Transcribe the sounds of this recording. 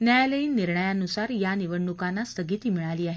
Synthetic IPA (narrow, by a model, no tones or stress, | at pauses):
njajaləiːnːiɾɳəjanusaɾjaniʋəɳːukanːast̪əɡit̪iːmiɭaliːaɦe